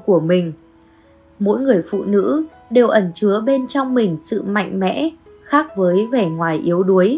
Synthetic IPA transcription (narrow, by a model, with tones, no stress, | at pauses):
ku˧˩əmï˨˩ŋ̟ | mo̰˧˥jŋɨ˨˩əjfṵ˧˨nɨ̰˧˥ | ɗe˨˩wʔə˧˩nt͡ɕɨ˨˦əɓe˧nt͡ɕɔ˧wŋ͡mmï˨˩ŋ̟sɨ̰˧˨ma̰˧˨jŋ̟mɛ̰˧˥ | xaː˦˥k̚vəː˨˦jvɛ˨˩ŋwaː˨˩jʔi˨˦əwɗu˨˦əj